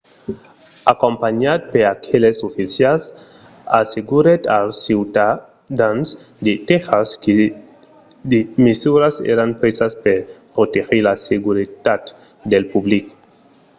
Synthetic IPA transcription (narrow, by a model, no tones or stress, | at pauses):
akompaɲat̪̚peɾakʰelesofisjals | aseɡuɾet̪alsiwt̪a | d̪ans | d̪et̪exaske | d̪emesuɾasḛɾanpɾesaspeɾpɾot̪exeɾlaseɡuɾit̪at̪ | d̪elpublik